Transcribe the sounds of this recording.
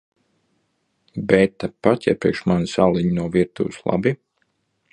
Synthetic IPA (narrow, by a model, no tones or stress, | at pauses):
bɛt̪ːapːat̪ʲja̰pɾiɛkʃmansalˠiɲnuɔviɾt̪ṵːslˠa̰bi